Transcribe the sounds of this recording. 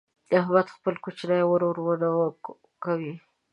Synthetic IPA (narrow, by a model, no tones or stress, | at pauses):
aɦbat̪xpəlkot͡ʃnajwəɾoɾwənaw | kawi